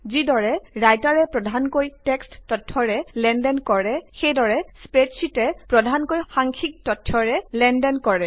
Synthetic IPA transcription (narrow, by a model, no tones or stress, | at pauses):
zidɔɹɛɹajtaɹɛpɹɔdʱankojtɛksttɔtʰːɔɹɛlɛndɛnkɔɹɛxejdɔɹɛspɹetsitɛpɹɔdʱankojxaŋkʰik̚tɔtʰːɔɹɛlɛndɛnkɔɹɛ